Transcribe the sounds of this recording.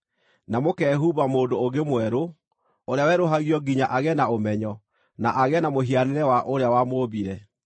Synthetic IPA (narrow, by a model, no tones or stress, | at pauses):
namokɛɦuβamoːdooɡemwɛɾo | oɾeawɛɾoɦaɣijɔɡiɲaʔaɣɛnaomɛɲɔ | naʔaɣɛnamoɦianeɾɛwaʔoɾeawamoːβiɾɛ